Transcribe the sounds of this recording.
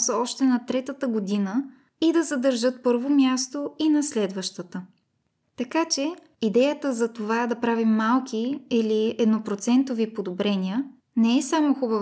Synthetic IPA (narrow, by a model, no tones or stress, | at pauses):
səɔʃt̪ɛnɐt̪ɾɛt̪ət̪əɡod̪inə | id̪ɐzɐd̪əɾʒɤt̪̚pɤɾvomʲjast̪oinɐslɛd̪vəʃt̪ət̪ə | t̪ɐkat͡ʃɛ | id̪ɛjət̪əzɐt̪ovad̪ɐpɾavimːalˠkʲiiliɛd̪nopɾot̪sɛnt̪ovipod̪obɾɛniə | nɛɛsamoxubəv